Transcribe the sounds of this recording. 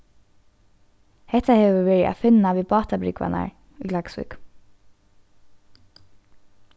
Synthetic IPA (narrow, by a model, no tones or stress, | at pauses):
hɛht̪aheːʋəʋeːɹɪæ̰fɪnaʋiːbɑːt̪abɾɪ̰kʋa̰na̰ɹ | ilaksʋʏ̰k